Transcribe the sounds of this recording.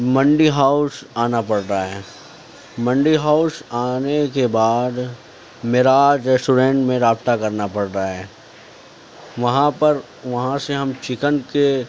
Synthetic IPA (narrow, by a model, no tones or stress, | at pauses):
mɐ̃ɳɖiɦaːʊsaːnapɐɽɾaɦɛː | mɐ̃ɳɖiɦaːʊsaːnekebaːd̪ | meːɾaːd͡ʒɾɛsʈuɾẽːɳʈmẽɾaːb̚t̪akɐɾnapɐɽɾaɦɛː | ʋɐɦãpɐɾ | ʋɐɦãseɦɐmt͡ʃɪkənke